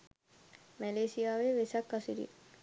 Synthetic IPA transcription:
mæleːsijaːʋeʋesakːasiɾḭ

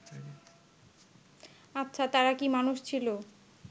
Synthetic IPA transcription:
atːɕʰat̪aɾakimanuʃt͡ɕʰilo

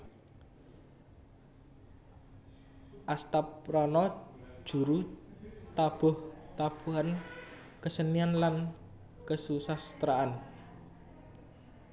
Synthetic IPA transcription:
ʔast̪apɾanɔ̥ʒ̥ṳɾu | t̪ab̥ɔ̤ht̪ab̥ṳɦan | kəsənianlan | kəsusast̪ɾaʔan

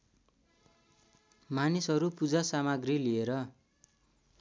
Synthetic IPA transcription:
manisɦʌɾupud͡zasamaɡrilieɾʌ

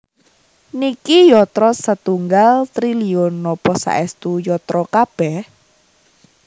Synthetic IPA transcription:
nikijɔt̪ɾɔsət̪uŋɡalt̪ɾiliʊnːɔpɔsa̰ʔɛst̪ujɔt̪ɾɔkab̥ɛh

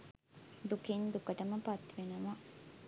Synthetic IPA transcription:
d̪ukind̪ukəʈəməpat̪ʋenuma

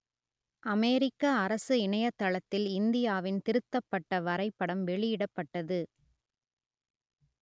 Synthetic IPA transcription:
ʔɐmɛːɾɪkːɐːɾɐsɯɪɳɐjɐt̪ːɐɭɐt̪ːɪlɪnd̪ɪjaːʋɪnt̪ɪɾɯt̪ːɐpːɐʈːɐʋɐɾɐɪpːɐɽɐmʋɛɭɪjɪɽɐpːɐʈːɐðɯ

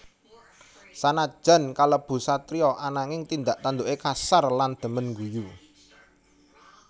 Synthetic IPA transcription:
sanad̥ʒ̥a̤nkaləb̥ṳsat̪ɾiɔʔanaŋɪŋt̪ind̪aʔt̪and̪uʔekasarland̪̥ə̤mənŋɡuju

